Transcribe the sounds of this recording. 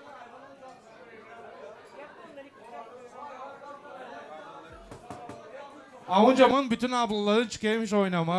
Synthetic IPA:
avud͡ʒamɯnbyt̪ʰynablˠalˠaɾɯt͡ʃʰɯ̥kejmiʃo̞jnamɯ

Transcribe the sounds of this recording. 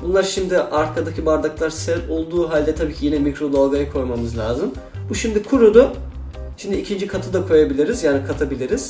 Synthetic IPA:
bunlˠaɾʃimd̪ɪʔaɾkʰad̪acʰibaɾd̪aklˠaɾsɛɾolˠd̪uːɦalʲd̪ɛt̪ʰabiːcʰijenɛmikɾo̞d̪alˠɡajɯkʰo̞jmamɯzlʲaːzɯm | buʃimd̪ikʰuɾud̪ʊ | ʃimd̪iːcʰind͡ʒikʰat̪ʰɯd̪akʰo̞jabilʲiɾizjaːnikʰat̪ʰabilʲiɾiz̥

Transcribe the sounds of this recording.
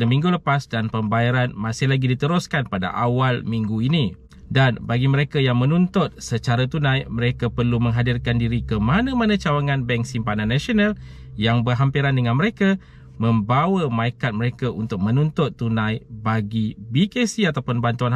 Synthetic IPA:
damĩŋɡuləpasdanpəmbajaɾanmãsɪhlaɡidit̪əɾʊskanpada̰ʔawalmiŋɡuini | danbaɡiməɾekajaŋmə̃nunt̪ʊt̪̚sət͡ʃaɾat̪unãjməɾekapərlumə̃ŋɦadirkandiɾikəmanãmanãt͡ʃawaŋãnbɛŋsimpanãnːasional | jaŋbərɦampiɾandəŋãnməɾeka | mə̃mbawəmaikat̪̚məɾekaunt̪ʊk̚mə̃nunt̪ʊt̪ːunãjbaɡibikesiat̪awpʊnbant̪uan

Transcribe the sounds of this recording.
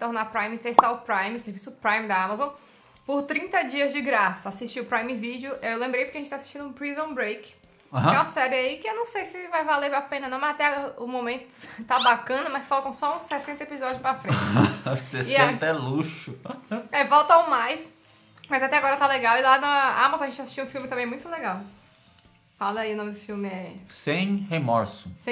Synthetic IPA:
t̪oɾnapɾajmĩt̪ɛst̪awpɾãjmiʊseɾvisʊpɾãjmd̪ɐamazõ | poɾt̪ɾĩnt̪ɐd͡ʒiɐzd͡ʒɪɡɾasɐasiʃt͡ʃiʊpɾaj̃mĩvid͡ʒʊeewlẽmbɾejpoɾkeaʒẽt͡ʃt̪asi̥ʃt͡ʃĩd̪ʊũpɾizõbɾejkɪ̥ | ãɦɛ̃ũɐsɛɾɪaikɪewnɐ̃w̃sejsɪvajvaleɾapẽnɐnɐ̃w̃mɐzat̪ɛaʊmõmẽnt̪ʊ̥t̪abakɐ̃nɐmɐsfawt̪ɐ̃w̃sɔũsesẽnt̪ɐepizɔd͡ʒʊspɾafɾeɪsessĩt̪ɛluʃʊɛvɔwt̪awmajs | mɐjzat̪ɛaɡɔɾɐt̪aleɡawilanɐa̰mazõɐʒẽt͡ʃasi̥ʃt͡ʃiũfiwmɪt̪ɐ̃mẽmũj̃t̪ʊleɡaw | falɐaiʊnõmɪd̪ʊfiwmɪɛsẽj̃hemɔɾsʊsẽ

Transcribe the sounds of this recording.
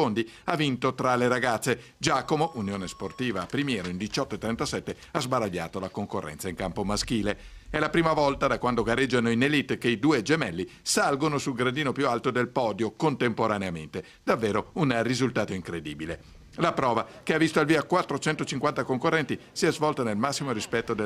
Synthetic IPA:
ond̪i | avint̪ot̪ɾaleɾaɡat̪sːe | d͡ʒaːkomoʔunjoːnesport̪iːvapɾimjɛːɾoind̪it͡ʃɔt̪ːoet̪ːɾɛnt̪asɛt̪ːe | azbaɾaʎːa̰ːt̪olakoŋkorːʔɛ̰nt̪saiŋkampomask̟iːleɛlapɾiːmavɔlt̪ad̪akwand̪oɡaɾed͡ʒːanoinelit̪ːkeid̪uːed͡ʒemɛlːisalɡonosulɡɾad̪iːnopjualt̪od̪elpɔːd̪jokont̪empoɾaneament̪e | d̪avːeːɾounrizult̪aːt̪oiŋkɾed̪iːbile | lapɾɔːvakeavːist̪oalviːakwat̪ːɾot͡ʃɛnt̪ot͡ʃiŋkwant̪akoŋkorːɛnt̪isiɛzvɔlt̪onelmasːimoɾispɛt̪ːod̪e

